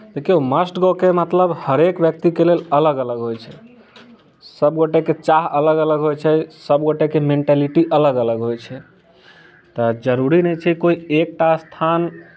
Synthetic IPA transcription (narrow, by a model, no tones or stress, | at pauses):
t̪ekioməsʈɡɔkemət̪ləbhəɾekbjək̚t̪ikelelələɡələɡɦojt͡ʃʰɛ | səbɡoʈeket͡ʃaɦələɡələɡɦojt͡ʃʰɛsəbɡoʈekemeɳʈaliʈiʔələɡələɡɦojt͡ʃʰɛ | t̪əd͡ʒəɾuɾinɛt͡ʃʰɛikoiek̚ʈast̪ʰan